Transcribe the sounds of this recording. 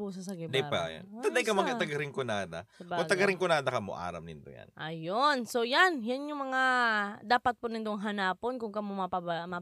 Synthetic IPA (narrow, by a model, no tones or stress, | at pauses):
puːsɐsɐɡɪd̪ɐjpaja̰nt̪ɐd̪ajkɐmɐŋɐt̪ɐɡɐɾɪŋkʊnaːd̪ɐ̰kbʊŋt̪ɐɡɐɾɪŋkʊnaːd̪ɐkɐmo̰ʔa̰ːɾɐ̰mnɪnd̪o̰ja̰nnʔɐjonsojanjanjʊŋmɐŋad̪aːpɐt̪̚pʊnɪnd̪oŋɦɐnaːponkʊŋkɐmomɐpɐmɐ